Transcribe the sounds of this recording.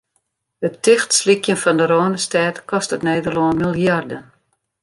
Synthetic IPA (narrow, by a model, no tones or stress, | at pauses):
ətːɪxtslikjənfɔndəɾoːnəstɛːtkʰɔstətnɛːdərloːnmilˠjardən